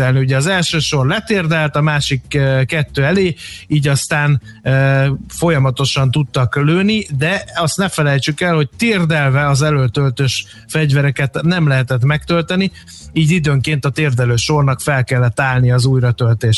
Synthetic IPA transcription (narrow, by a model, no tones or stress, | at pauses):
ɛlniuɟɛɒzɛlʃøːʃo̞rlɛt̪eːrd̪ɛlt̪ɒmaːʃikːkɛt̪ːøːɛleːiːɟɒst̪aːn | øfo̞jɒmɒt̪o̞ʃɒnt̪ut̪ːɒkløːnid̪ɛɒst̪nɛfɛlɛjt͡ʃykɛlho̞c̚t̪eːrd̪ɛlvɛɒzɛløːlt̪ølt̪øʃ | fɛɟvɛɾɛkɛt̪nɛmlɛɦɛt̪ɛt̪mɛkt̪ølt̪ɛni | iːɟid̪øːŋkeːnt̪ɒt̪eːrd̪ɛløːʃo̞rnɒkfɛlkɛlːɛt̪ːaːlnijɒzuːjrɒt̪ølt̪eːʃ